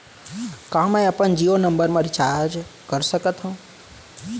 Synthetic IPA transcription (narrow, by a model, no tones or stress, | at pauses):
kãmə̃əpənd͡ʒionəmbəɾmãɾit͡ʃaɾd͡ʒkəɾsəkət̪ɦũ